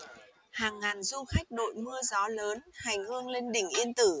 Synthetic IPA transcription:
haː˨˩ŋːaː˨˩nzʊ˧ŋ͡mxa˦˥jk̟̚ɗo̰˧˨jmɨ˧əzɔ˨˦ləː˨˦nha˨˩jŋ̟hɨ˧əŋle˧nɗï˧˩ŋ̟ʔi˧ənt̪ɨ˧˩

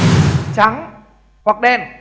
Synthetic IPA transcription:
t͡ɕa˨˦ŋ | hwa˨˩k̚ɗɛ˧˩n

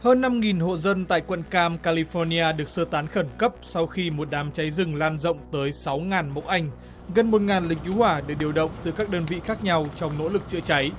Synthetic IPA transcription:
həː˧nːa˧mŋi˨˩nho̰˧˨zə˧nt̪a̰ː˧˨jkwə̰˧˨nkaː˧mkaː˧li˧fɔ˧ni˧aː˧ɗɨ˨˩ək̚səː˧t̪aː˨˦nxə˧˩nkə˦˥p̚sa˧wxi˧mo˨˩t̚ɗaː˨˦mt͡ɕa˨˦jzɨ˨˩ŋlaː˧nzə̰˧˨wŋ͡mt̪əː˨˦jsa˨˦wŋaː˨˩nmə̰˧˥wʔa˧˩jŋ̟ | ɣə˨˩nmo˨˩t̚ŋaː˨˩nlï˨˩ŋ̟̚t͡ɕu˨˦hwaː˧˩ɗɨ˧˩k̚ɗi˨˩əwɗə̰˧˨wŋ͡mt̪ɨ˨˩kaː˦˥k̚ɗəː˧nvḭ˧˨xaː˦˥k̚ɲa˧wt͡ɕɔ˧wŋ͡mno̰˧˥lɨ˨˩k̚t͡ɕɨ̰˧˨ət͡ɕa˨˦j

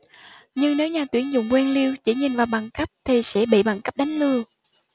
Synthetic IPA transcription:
ɲɨ˧ŋne˨˦wɲaː˨˩t̪wi˨˦ənzʊ̰˧˨ŋ͡mkwɛ˧nli˧əwt͡ɕi˧˩ɲi˨˩nvaː˨˩wɓa˨˩ŋka˦˥p̚t̪ʰi˨˩sɛ̰˧˥ɓḭ˧˨ɓa˨˩ŋka˦˥p̚ɗa˨˦jŋ̟lɨ˧ə

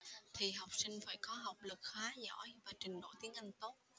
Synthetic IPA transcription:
t̪ʰi˨˩ɦa˨˩wk͡p̚sï˧ŋ̟faː˧˩jkɔ˨˦ɦa˨˩wk͡p̚lɨ˨˩k̚xaː˨˦zɔ̰˧˥˩jvaː˨˩t͡ɕï˨˩ŋ̟ɗo̰˧˩˨jt̪i˨˦ənʔa˧jŋ̟t̪o˦˥t̚

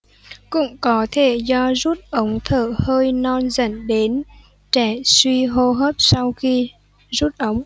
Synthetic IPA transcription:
kʊ̰˧˥wŋ͡mkɔ˨˦t̪ʰe˧˩zɔ˧zu˦˥t̚ʔə˨˦wŋ͡mt̪ʰəː˧˩həː˧jnɔ˧nzə̰˧˩ŋɗe˨˦n | t͡ɕɛ˧˩swi˧ɦo˧ɦəː˦˥p̚sa˧wxi˧ | zu˦˥t̚ʔə˨˦wŋ͡m

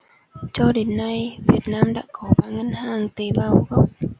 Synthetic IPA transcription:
t͡ɕɔ˧ɗe˨˦nːa˧jvi˨˩ət̚naː˧mɗa̰ː˧˥kɔ˨˦ɓaː˧˩ŋə˧nhaː˨˩ŋt̪e˨˦ɓaː˧˩wɣə˦˥wk͡p̚

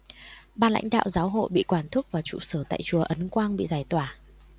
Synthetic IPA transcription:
ɓaː˧nla̰˧˥ŋ̟ɗa̰ː˧˨wzaː˨˦wɦo̰˧˨jɓḭ˧˨kwaː˨˩nt̪ʰɨ˦˥k̚vaː˨˩t͡ɕṵ˧˨səː˧˩t̪a̰ː˧˨jt͡ɕu˨˩əʔə˨˦nkwaː˧nɓḭ˧˨zaː˨˧˩jt̪waː˧˩

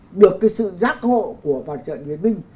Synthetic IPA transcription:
ɗɨ˨˩əkːjsɨ̰˧˨zaː˦˥k̚ho̰˧˨ku˧˩əva̰ː˧˩t͡ɕə̰ː˧˨nɓi˨˦nmï˧ŋ̟

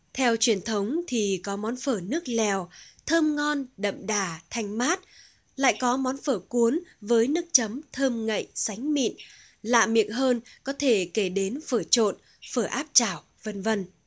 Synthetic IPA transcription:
t̪ʰɛ˧wt͡ɕwi˧˩ənt̪ʰə˨˦wŋ͡mt̪ʰi˨˩kɔ˨˦mɔ˨˦nfəː˧˩nɨ˦˥ək̚lɛ˨˩wt̪ʰəː˧mŋɔ˧nɗə̰˧˨mɗaː˨˩t̪ʰa˨˩jŋ̟maː˦˥t̚ | la̰ː˧˨jkɔ˨˦mɔ˨˦nfəː˧˩ku˨˦ənvəː˨˦jnɨ˦˥ək̚t͡ɕə˨˦mt̪ʰəː˧mŋə̰˧˨jsa˨˦jŋ̟mḭ˧˨n | la̰ː˧˨mḭ˨ək̚ɦəː˧nkɔ˨˦t̪ʰe˧˩ke˧˩ɗe˨˦nfəː˧˩t͡ɕo̰˧˨n | fəː˧˩ʔaː˦˥p̚t͡ɕaː˧˩w | və˧nvə˧n

